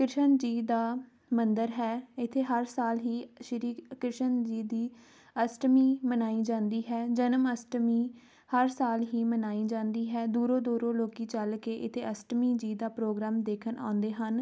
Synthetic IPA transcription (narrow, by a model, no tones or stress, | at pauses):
kɾɪʃənd͡ʒiːd̪aː | mənd̪əɾɦɛːɪt̪ʰːeːɦəɾsaːlɦiːʃəɾiːkɾɪʃənd͡ʒiːd̪iː | əsʈmiːmənaːiːd͡ʒãːnd̪iːɦɛːd͡ʒənəməsʈmiː | həɾsaːlɦiːmənaːiːd͡ʒãːnd̪iːɦɛːd̪uːɾõːd̪uːɾõːloːkiːt͡ʃəlkeːʔɪt̪ʰːeːəsʈmiːd͡ʒiːd̪aːpɾoːɡɾaːmd̪eːkʰənã̰ːʊ̃nd̪eːɦən